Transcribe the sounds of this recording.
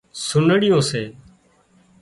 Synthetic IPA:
sʊnɽɪjõːseː

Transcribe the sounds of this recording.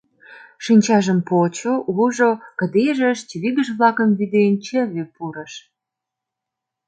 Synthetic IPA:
ʃinʲt͡ɕɑʒəmpot͡ɕoʔuʒokə̆d̪eʒəʃt͡ɕiβiɣə̆ʒβlɑkə̆mβid̪ent͡ɕəβepuɾə̆ʃ

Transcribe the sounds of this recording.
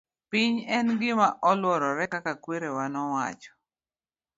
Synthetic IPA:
pɪɲɛnɡɪmaʔɔlwɔɾɔɾɛkakakweɾewanɔwa̰t͡ʃɔ̥

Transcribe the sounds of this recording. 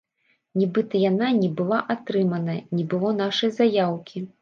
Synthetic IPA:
nʲibɨt̪ɐjananʲɛbɨlˠaʔat̪ɾɨmɐnɐnʲɛbɨlˠɔnaʂɐjzajawkʲi

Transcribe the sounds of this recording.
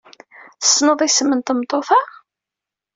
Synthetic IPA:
θə̥sːnoðˤisəmənt̪əmt̪ˤːoθɑʁ

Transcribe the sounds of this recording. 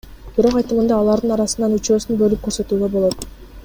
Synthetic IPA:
b̥iɾo̞qɑjt̪ɯmɯnd̪ɑːlˠɑɾd̪ɯnɑɾɑsɯnɑnyt͡ʃø̞ːsynbø̞lyp̚kʰø̞ɾsø̞t̪yːɡø̞bo̞lˠo̞t̪

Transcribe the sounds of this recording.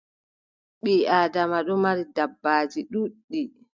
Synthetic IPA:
ɓiaːdamaɗɔmaɾidabːaːd͡ʒiɗuɗːi

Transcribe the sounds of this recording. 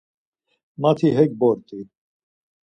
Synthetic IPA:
mat̪ʰiɦɛk̚bɔɾt̪ʼi

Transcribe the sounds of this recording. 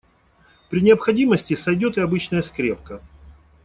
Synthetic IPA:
pɾʲɪnʲɪəpxɐdʲiməsʲtʲɪsɐjdʲo̞t̪ɪɐbɨt͡ɕnəjəskɾʲe̞p̚kə

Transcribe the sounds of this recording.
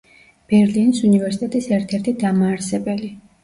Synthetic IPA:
b̥ɛɾlinisunivɛɾsi̥t̪ʼɛt̪ʼisɛɾt̪ʰɛɾt̪ʰid̪amaːɾsɛbɛli

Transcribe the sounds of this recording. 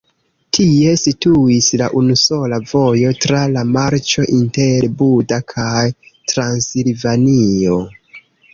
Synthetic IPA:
tʰie̞situislaʔunuso̞lavo̞jo̞tɾalamaɾt͡ʃo̞ʔinteɾbudakʰajtɾansilvanio̞

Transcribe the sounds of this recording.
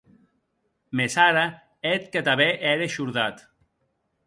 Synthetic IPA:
mesaɾa | et̪̚kat̪aβeʔɛɾeʃuɾðat̪

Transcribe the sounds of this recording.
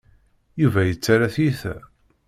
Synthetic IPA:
juvæjət͡sːaɾaθjiθæ̰

